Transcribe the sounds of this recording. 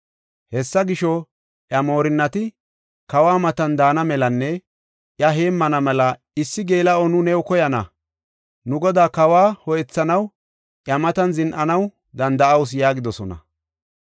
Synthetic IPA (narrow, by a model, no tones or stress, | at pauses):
hɛsːɐɡɪʃɔ | ʔjɐmo̞ːɾɪnːɐt̪ɪ | kɐwaːmɐt̪ɐnd̪aːnɐmɛlɐnːɛ | ʔjɐɦeːmːɐnɐmɛlɐ | ɪsːɪɡeːlɐʔɔnʊnɛwkɔjɐnɐ̰ | nʊɡɔd̪aːkɐwaːhɔjɛt͡sːɐnɐw | ʔjɐmɐt̪ɐnzɪnʔɐnɐw | d̪ɐnd̪ɐʔɐws̬jaːɡɪd̪ɔsɔnɐ̰